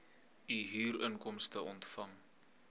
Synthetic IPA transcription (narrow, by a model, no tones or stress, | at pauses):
iɦiːɾəŋkɔmstəʔɔntfɐŋ